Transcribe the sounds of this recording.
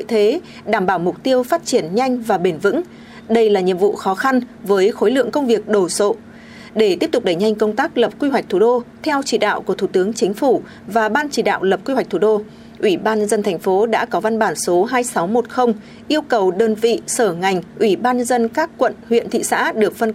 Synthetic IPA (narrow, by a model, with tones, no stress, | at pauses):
o̰˧˨jt̪ʰe˨˦ | ɗaː˧˩mɓaː˧˩wmʊ˨˩k͡p̚t̪i˧əwfaː˦˥t̚t͡ɕi˧˩ənɲa˧jŋ̟vaː˨˩ɓe˧˩nvɨ̰˧˥ŋ | ɗə˧jlaː˨˩ɲḭ˧˨əmvṵ˧˨xɔ˨˦xa˧nvəː˨˦jxo˨˦jlɨ̰˧˨əŋkə˧wŋ͡mvi˨˩ək̚ɗo˧˩so̰˧˨ | ɗe˧˩t̪i˦˥əp̚t̪k͡p̚ɗə˧˩jɲa˧jŋ̟kə˧wŋ͡mt̪aː˦˥k̚lə˨˩p̚kwi˧ɦwa˩k̟̚t̪ʰu˧˩ɗo˧t̪ʰɛ˧wt͡ɕi˧˩ɗa̰ː˧˨wku˧˩ət̪ʰu˧˩t̪ɨ˨˦əŋt͡ɕï˨˦ŋ̟fu˧˩ | vaː˨˩ɓaː˧nt͡ɕi˧˩ɗa̰ː˧˨wlə˨˩p̚kwi˧wa˨˩k̚t̪ʰu˧˩ɗo˧ | ʔwi˧˩ɓaː˧nɲə˧zə˧nt̪ʰɛ˨˩ŋ̟fo˨˦ɗa̰ː˧˥kɔ˨˦va˧nɓaː˧˩nso˨˦ɦaː˧jsa˨˦wmo˨˩t̚xə˧wŋ͡m | ʔi˧əwkə˨˩wɗəː˧nvḭ˧˨səː˧˩ŋa˨˩jŋ̟ʔwi˧˩ɓaː˧nɲə˧zə˧nkaː˦˥kːwə̰˧˨nhwḭ˧ənt̪ʰḭ˧˨sa̰ː˧˥ɗɨ˨˩ək̚fə˧n